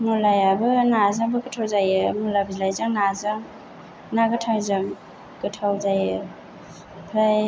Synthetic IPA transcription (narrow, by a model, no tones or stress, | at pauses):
mulajabɯnazaŋbɯɡɯtʰawzajɯmulabɯzlajzaŋnazaŋ | naɡɯtʰawzaŋ | ɡɯtʰawzajɯ | pʰɾaj